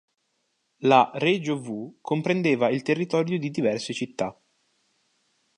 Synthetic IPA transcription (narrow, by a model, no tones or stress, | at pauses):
lared͡ʒovukʰompɾend̪eːvailt̪erːit̪ɔːɾjod̪id̪ivɛrset͡ʃit̪ːa